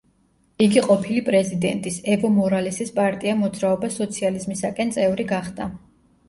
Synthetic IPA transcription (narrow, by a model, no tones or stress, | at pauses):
iɡiqʼɔpʰilipʼɾɛzid̪ɛ̰nt̪ʼisɛvɔmɔɾalisispʼaɾt̪ʼiamɔd̪zɾaɔbasɔt̪sʰializmisakʼɛnt̪sʼɛvɾiɡaχd̪a